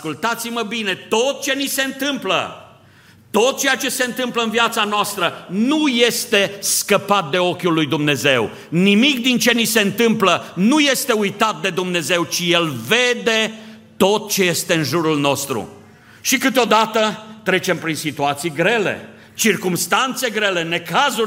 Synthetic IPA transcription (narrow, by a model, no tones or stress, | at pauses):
skult̪at̪siməbine̞t̪o̞t̪̚t͡ʃe̞nise̞ɨnt̪ɨmplə̰ | t̪o̞t̪̚t͡ʃejat͡ʃe̞se̞ɨnt̪ɨmpləɨnviat̪sanoast̪ɾənuje̞st̪e̞skəpat̪̚d̪e̞o̞kʲulːujd̪umne̞ze̞w | nimik̚d̪int͡ʃe̞nise̞ɨnt̪ɨmplənuje̞st̪e̞ujt̪at̪̚d̪e̞d̪umne̞ze̞wt͡ʃije̞lve̞d̪e̞t̪o̞t̪̚t͡ʃe̞je̞st̪e̞ɨnʒuɾulno̞st̪ɾṵ | ʃikɨt̪eo̞d̪at̪ət̪ɾe̞t͡ʃe̞mpɾinsit̪uat̪sijɡɾe̞le̞̰ | t͡ʃirkumst̪ant̪se̞ɡɾe̞le̞ne̞kazu